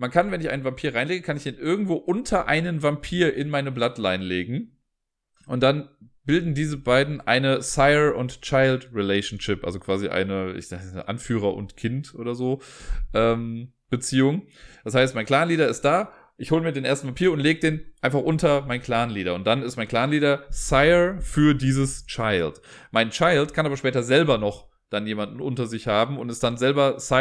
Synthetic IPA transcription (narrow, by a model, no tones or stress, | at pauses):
mankʰanvɛnɪçʔa̰ɪnvampʰiːɐʁaɪnleːɡəkʰanɪçd̥eːnʔɪɐɡŋ̩tv̥oːʔʊntʰɐʔa̰ɪnənvampʰiːɐʔɪnmaɪnəblatlaɪnleːɡŋ̩ | ʔʊntd̥an | b̥ɪldn̩diːzəbaɪdn̩ʔa̰ɪnəsaɪʊntt͡ʃaɪltʁilɛɪʃn̩ʃɪpʔa̰lzokv̥aːziʔa̰ɪnəɪ̰ç̥asʔa̰nfyːʁ̞ɐʔʊ̰ntkʰɪntʔo̰ːɾɐzoːʔɛːm | b̥ət͡siːʊŋ | d̥ashaɪst̚maɪnkl̥aːnliːdɐɪst̚d̥aː | ʔɪçhoːləmiːɐdeːnʔeːɐstn̩pʰapʰiːɐʊntleːɡəd̥eːnʔaɪnfaχʔʊntɐmaɪnkʰl̥aːnliːɾɐʊntd̥anɪstmaɪnkl̥aːnliːdɐsaɪəfyːɐdiːzəst͡ʃaɪlt | maɪnt͡ʃaɪltkʰanʔaːbɐʃpɛːtɐzɛlbɐnɔχ | d̥anjeːmandn̩ʔʊntɐzɪçhaːbm̩ʊntɛstd̥anzɛlbɐsa